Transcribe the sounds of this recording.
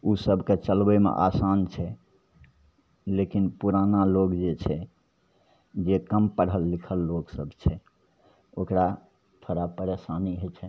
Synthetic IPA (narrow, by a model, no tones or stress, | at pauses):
usəbʱket͡ʃəlbɛmḛʔa̰sant͡ʃʰɛ | lekinpuɾanalokd͡ʒet͡ʃʰɛ | d͡ʒekəmpəɽ̤ɦəlːikʰəlːoksəbʱt͡ʃʰɛ | okɾa | t̪ʰoɾapəɾesaniɦot͡ʃʰɛ